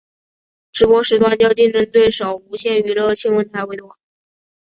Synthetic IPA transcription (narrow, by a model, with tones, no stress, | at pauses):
ʈ͡ʂɻ̩˧˥pwɔ˥ʂɻ̩˧˥t̪wa˥nt͡ɕjɑ˥˧ʊt͡ɕi˥˧ŋʈ͡ʂɤ˥˧ŋt̪we˥˩ɪʂo˨˩ʊu˧˥ɕjɛ˥˩ny˧˥lə˧t͡ɕʰi˥nwə˧˥nt̪ʰa˧˥ɪwe˧˥ɪd̪wɑ˨˩˦